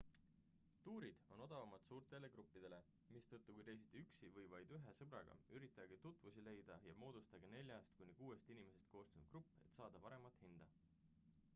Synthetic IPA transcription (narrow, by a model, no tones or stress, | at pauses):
t̪uːɾid̪̥o̞no̞d̪̥ɑvɑmɑt̪suːrt̪ˑe̞le̞kɾupːid̪̥e̞le̞ | mist̪ɤt̪ːukujɾejs̬it̪ːˑeyksivɤjvɑjd̪̥yɦe̞sɤb̥ɾɑɡ̥ɑ̰yɾit̪ːˑɑɡet̪ut̪ːˑvusile̞jd̪̥ɑjɑmo̞ːd̪̥ust̪ɑɡene̞lʲjɑst̪kunʲːikuːe̞st̪inime̞se̞st̪̚ko̞ːst̪ɑnud̪t̪̚krɾupːe̞̰t̪ːsɑːd̪̥ɑpɑɾe̞mɑt̪ˑhind̪̥ɑ